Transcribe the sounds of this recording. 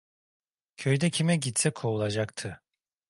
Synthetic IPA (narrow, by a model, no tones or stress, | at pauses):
cʰøjd̪ɛcʰimɛɟit̪sɛkʰoulˠad͡ʒakt̪ʰɯ